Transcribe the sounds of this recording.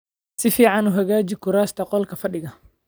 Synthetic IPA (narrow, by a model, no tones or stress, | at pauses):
sɪfiːʕɑnʊɦɐɣaːt͡ʃɪkʰʊɾaːst̪ʰɐqɔlkʰɐfɐɖɪɣɐ